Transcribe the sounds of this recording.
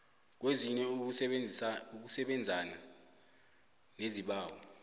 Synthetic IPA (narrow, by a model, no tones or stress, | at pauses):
k̬weziɲɛ | uk̬usɛɓɛnd͡zʱana | neziɓaːwɔ